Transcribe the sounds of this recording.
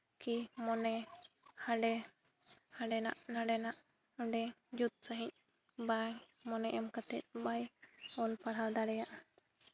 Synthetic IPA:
kimɔnɛ | haɖɛ | haɖɛna̰ʔnaɖɛnaʔ | ɔɖɛd͡ʒut̪̚saɦĩc̚ | baj | mɔnɛʔɛmkat̪ɛt̪̚ˀbajɔlpaɽald̪aɽɛjaʔ

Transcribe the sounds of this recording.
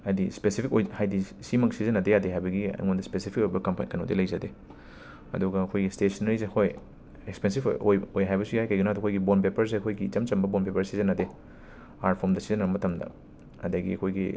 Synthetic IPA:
hajdispesipʰikojhajdisimɐk̚sizɐnɐdejadeɦajbɐɡiɐ̰jŋondɐspesipʰik̚ojbɐkɐmpanikɐnok̚dḭlɐjzɐde | ɐ̰duɡɐɐkʰojɡistesɐnɐɾiz̬eɐkʰoj | ekspensipojojɦajbɐsujajkɐjɡinaduɐkʰojɡibonpepɐɾs̬eɐkʰojɡit͡ʃɐmt͡ʃɐmbɐbonpepɐɾsizɐnɐde | aɾpʰomdɐsizɐnɐbɐmɐtʰɐmdɐ̰ | ɐdɐɡḭɐ̰kʰojɡḭ

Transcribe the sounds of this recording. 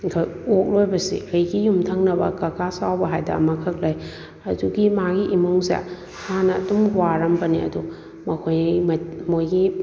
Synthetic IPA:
kʰojok̚lojbɐsḭkʰɐjɡijumtʰɐŋnɐbɐ̰kɐkasawbɐɦajdɐ̰mɐkʰɐk̚laj | ɐduɡimaɡiʔimuŋsija̰ | hanɐɐ̰dumɡuaɾɐmbɐniɐ̰du | mɐkʰojmmojɡi

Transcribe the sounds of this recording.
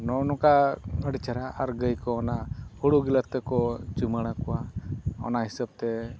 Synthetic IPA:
nɔnɔkaəɽit͡ʃaɾaaɾɡəjkɔːnahuɽuɡilat̪ːɛkɔd͡ʒumaɽ̃akɔwaɔ̰naɦisab̚t̪ɛ

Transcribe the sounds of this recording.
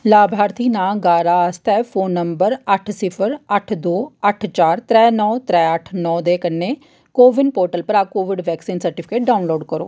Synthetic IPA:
laːbʱaːɾt̪ʰiːnãːɡaːɾaːəst̪ɛːpʰoːnːəmbəɾəʈʰsɪpʰəɾəʈʰd̪oːəʈʰt͡ʃaːɾt̪ɾɛːnɔːt̪ɾɛːəʈʰnɔːd̪eːkənːeː | koːʋɪɳpoːɾʈəlpəɾaːkoːʋɪɖʋɛːksiːnsəɾʈɪpʰɪkeːʈ̚ɖaːunloːɖkəɾo̰ː

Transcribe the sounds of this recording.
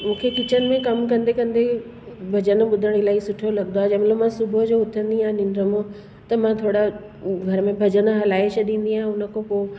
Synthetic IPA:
mũːkʰekɪt͡ɕənɪ̆mẽkɐmkɐ̃nd̪ekɐ̃nd̪e | bʱɐd͡ʑənɓʊd̪ʱəɽ̃ilaːisʊʈʰjolɐɡnd̪oaːɦd͡ʑɐ̃mẽlomãsʊbʱəd͡ʑoːʊt̪ʰə̃nd̪iãːɦnɪnɾəmõ | t̪ɐmãt̪ʰoːɽa | ɡʱɐɾəmẽbʱɐd͡ʑənɦɐlaːeʃɐɗĩːn̆d̪iãːɦẽʊnə̆kʰopo

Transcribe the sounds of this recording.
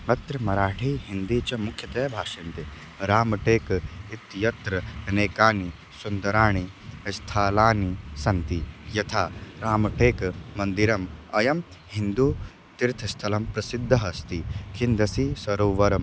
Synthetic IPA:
mɐt̪ɾɐmɐɾaːʈʰiːɦind̪iːt͡ʃɐmukʰjɐt̪ɐjɐbʱaːʃint̪e | ɾaːmɐʈeːkit̪jɐt̪ɾɐneːkaːni | sund̪ɐɾaːɳ̃i | st̪ʰaːlaːnisɐnt̪ijɐt̪ʰaːɾaːmɐʈʰeːkːɐnd̪iɾɐmɐjɐm | ɦind̪u | t̪iɾt̪ʰɐst̪ʰɐlɐmpɾɐsid̪ʱːɐɦɐst̪ikʰind̪ɐsisɐɾoːʋɐɾɐm

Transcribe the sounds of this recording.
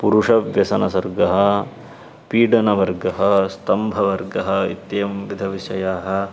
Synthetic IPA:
puɾuʂɐʋjɐsɐnɐsɐɾɡɐɦɐ̆ | piːɖɐnɐʋɐɾɡɐɦɐst̪ɐmbʱɐʋɐɾɡɐɦɐ̆ḭt̪jjɐmʋid̪ʱɐʋiʃɐjaːɦɐ̆

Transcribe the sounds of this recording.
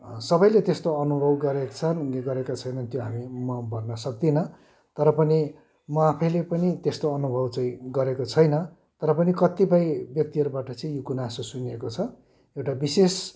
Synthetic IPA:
sʌbʌjlet̪est̪oʌnubʱʌbɡʌɾet͡sʰʌneɡʌɾekat͡sʰʌjnʌnt̪joɦamimʌbʱʌrnʌsʌk̚d̪inʌ | t̪ʌɾʌpʌni | mʌapʰʌjlepʌnit̪est̪oʌnubʱʌbt͡sʌ̃ĩɡʌɾekot͡sʰʌjnʌ | t̪ʌɾʌpʌnikʌt̪ipajbjʌk̚t̪iɦʌɾubaʈʌt͡sʌĩjokunasosuniekot͡sʰʌ | ewʈabises

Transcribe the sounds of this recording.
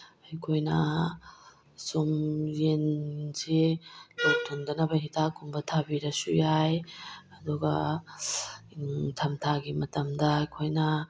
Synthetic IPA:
ɐjkʰojnɐ | sumjenzilowtʰondɐnɐbɐɦitʰakumbɐtʰabiɾɐsṵjajɐduɡɐ | tʰɐmtʰaɡimɐtɐmdɐjkʰojnɐ

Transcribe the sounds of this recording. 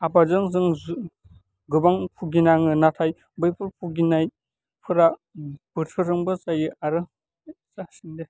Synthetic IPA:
abazɯŋzɯŋ | ɡɯbaŋpʰuɡinaŋɯnatʰaj | bɯjpʰɯɾpʰuɡinaj | pʰɯɾab̥ɯtʰɯɾɯŋbɯsajɯʔaɾɯ | sasiŋde

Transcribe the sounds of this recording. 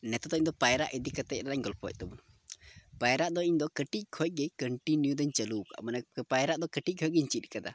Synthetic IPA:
nɛt̪ɔd̪ɔiɲd̪ɔpajɾaʔid̪ikat̪ɛc̚ɾanaɲɡɔlpʰɔc̚ˀt̪ɛbun | pajɾaʔd̪ɔiɲd̪ɔkəʈic̚kʰɔjɡɛkəɳʈinjud̪əɲt͡ʃəluka̰ʔmanɛpajɾaʔd̪ɔkəʈic̚ˀkʰɔjɡɛɲt͡ʃit̪̚kad̪a̰

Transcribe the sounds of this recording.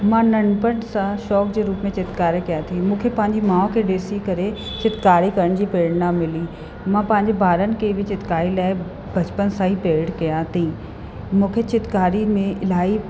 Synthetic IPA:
mãːnɐɳpəɳsãʃɔːkd͡ʑeɾuːpmẽt͡ɕɪt̪kaːɾekijat̪ʰimũːkʰepɐ̃ɦɪ̃ɲd͡ʑemãːõkʰeɖeːsikɐɾe | t͡ɕɪt̪kaːɾikɐɾəɽ̃d͡ʑiːpeːɽnamɪlĩ | mãːpɐ̃ɦɪ̃ɲd͡ʑebʱaːɾənɪ̆keʋɪt͡ɕɪt̪kaːɾilaːɪ | bɐt͡ɕpənsãːɦipeːɽkijat̪ʰĩ | mũːkʰet͡ɕɪt̪kaːɾimẽʔɪlaːi

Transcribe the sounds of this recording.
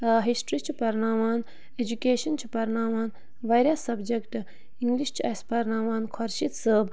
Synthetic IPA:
ɦisʈɾit͡ʃʰipɐɾnaːʋaːn | ed͡ʒukeːʃɐnt͡ʃʰi̥pɐɾnaːʋaːn | ʋɐjɾjasːɐbd͡ʒekʈ | iŋɡliʃt͡ʃʰuɐspɐɾnaːʋaːnkʰɔɾʃit̪səb

